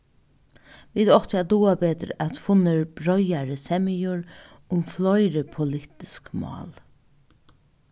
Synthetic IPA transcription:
ʋiːd̪ɔht̪jad̪uːabɛːt̪ɾ̰æt̪fʊnɪɹb̥ɾɔjaɾəsɛmɪjʊɹ | ʊmflɔjɾəpʰʊlɪt̪ɪskmɑ̰ːl

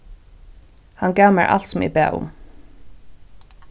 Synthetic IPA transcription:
hankaːmaɹʔa̰l̥t̪sʊmɪ̰pæ̰ːʔʊ̰m

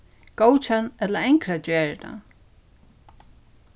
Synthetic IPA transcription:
kowt͡ʃanɛt̪laɛŋkɾat͡ɕɛːɹɪna̰

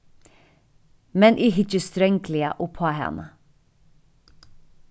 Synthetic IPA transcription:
mɛnʔiːɦʏt͡ʃəst̪ɾœŋklɪə̰ʔʊpʰoːɦɛ̰nə

